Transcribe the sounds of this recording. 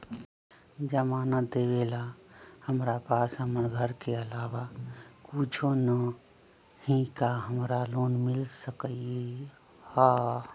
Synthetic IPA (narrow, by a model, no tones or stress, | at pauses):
d͡ʒəmaːnəd̪ebelahəmɾapaːsɦəməɾɡʱəɾkeəlaːʋakut͡ʃʰonə | hĩkaɦəmɾaloːnmilsəkəi | ha